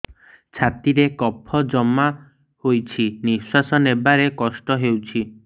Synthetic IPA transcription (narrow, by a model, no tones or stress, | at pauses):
t͡ʃʰat̪iɾekɔpʰɔd͡ʒɔma | hojt͡ʃʰiniswasɔnebaɾekɔsʈɔɦewt͡ʃʰi